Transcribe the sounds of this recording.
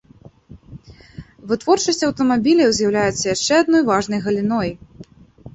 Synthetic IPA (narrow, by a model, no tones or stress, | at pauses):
vɨt̪vɔrt͡ʂɐsʲt͡sʲɐwt̪ɐmabʲilʲɐwzʲjɐwlʲajɛt̪sːɐjaʂt͡ʂɛad̪nɔjvaʐnɐjɣɐlʲinɔj